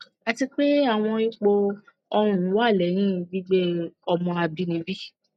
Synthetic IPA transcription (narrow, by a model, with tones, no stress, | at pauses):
a˧ti˧k͡pe˦a˨w̃ɔ̃˧i˦k͡po˧ | ɔ˧ũ˦˨ñ˨˦wa˦˨lɛ˨ɾ̃ĩ˦˨bi˦ɡ͡be˦ɔ˧mɔ̃˧a˧bi˦nĩ˨˧˦bi˦